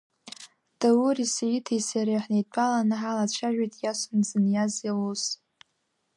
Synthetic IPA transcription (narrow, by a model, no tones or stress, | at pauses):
d̥awurisajitʰejsaɾeħnejt͡pʷʰʼalanɨħalat͡ʃʷʰaʒᶣʷijtʼʰjasanzɨnjazjawus